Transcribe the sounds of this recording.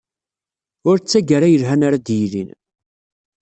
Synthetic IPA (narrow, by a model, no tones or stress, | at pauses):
ʊɾt͡sːæɡaɾajəlɦænaɾad̪jilḭn